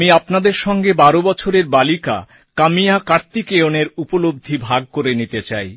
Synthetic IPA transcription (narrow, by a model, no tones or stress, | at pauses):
miapnad̪eɾʃɔŋɡebaɾobɔt͡ɕʰoɾeɾbalika̰ | kamijakaɾt̪ikeoneɾupolob̚d̪ʱːibʱaɡ̚koɾenit̪et͡ɕaj